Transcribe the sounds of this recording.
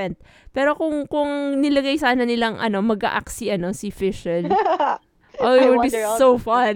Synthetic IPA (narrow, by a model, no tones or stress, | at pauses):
ɛnt̪̚ | pɛːɾo̞kʊŋkʊŋnɪlɐɡajsaːnɐnɪlaŋʔɐ̰no̞mɐɡa̰ʔa̰ksiʔɐno̞sɪfɪʃɛl | ʔodisofɐn